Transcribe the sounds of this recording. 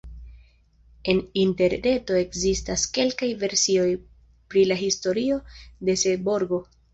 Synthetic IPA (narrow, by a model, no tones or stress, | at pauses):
e̞ninte̞ɾne̞to̞e̞kzistaske̞lkajve̞ɾsio̞j | pɾilaɦisto̞ɾio̞de̞seboɾɡo̞